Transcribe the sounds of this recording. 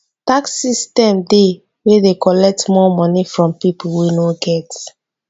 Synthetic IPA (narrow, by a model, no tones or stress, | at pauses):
taksistɛ̃mde | wedekɔlɛk̚tmɔmɔ̃nifɹɔ̃mpipwenoɡɛt